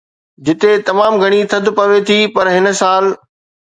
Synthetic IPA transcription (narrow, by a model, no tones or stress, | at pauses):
d͡ʑɪt̪et̪ɐmaːmɡʱɐɽ̃it̪ʰɐd̪pɐʋet̪ʰipɐɾɦɪn̆saːl